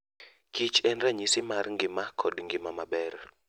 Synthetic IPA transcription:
kʰit͡ʃʰɛnraɲisimarŋɡɪmakʰɔɗŋɡimamaɓɛɾɔ

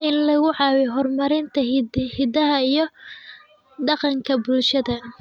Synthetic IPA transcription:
ʔɪnlɐɣʊʕɑːwɛɦɔrmɐɾɪnt̪ʰɐhɪd̪ɐɦɐijɞ | ɖɑqɑŋkʰɐbulʃɐðɐ

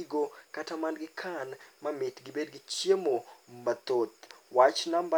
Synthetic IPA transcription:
iɡokatamanɡɪkʰanmamɪtɡɪbedɡɪt͡ʃjemombat̪ot̪wat͡ʃnamba

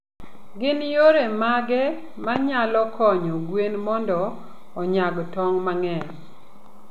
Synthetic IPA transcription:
ɡɪnjoɾemaɡɛ | maɲalɔkʰɔɲɔɡwenmɔndɔː | ɲaɡtɔŋmaŋɛɲ

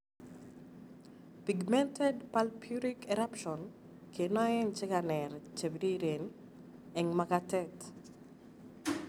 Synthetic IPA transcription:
piɡmɛntɛdpalpʰjuɾikɛɾapʃɔn | kʰenɔɛnt͡ʃɪkanɛɾt͡ʃebdiɾen | ɛŋmakatɛt

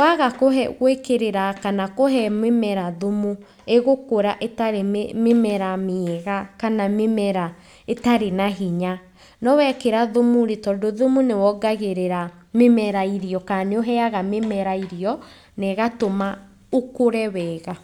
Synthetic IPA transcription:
waɣakoɦɛɣwekeɾeɾakanakoɦɛmwemɛɾaðomu | eɣokoɾaʔetaɾememɛɾamiɛɣakanamemɛɾa | etaɾenaɦiɲa | nɔwɛkeɾaðomuɾetɔːndoðomunewɔɡaɣeɾeɾa | memɛɾaiɾiɔkaneoɦɛaɣamemɛɾaiɾiɔ | nɛɣatoma | okoɾɛwɛɣa

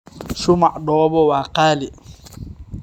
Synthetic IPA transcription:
ʃumaʔɗɔːbɔwaːqaːli

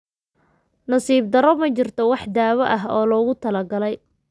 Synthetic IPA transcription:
nɐsiːb̚d̪ɐɾɔmɐt͡ʃɪrt̪ʰɔwɑħd̪aːwɐʔɐɦɔːlɔːɣʊt̪ʰɐlɐɡɐlɛj

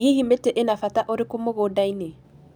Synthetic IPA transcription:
iɦimetɛʔenafataʔoɾekomoɣoːdaine

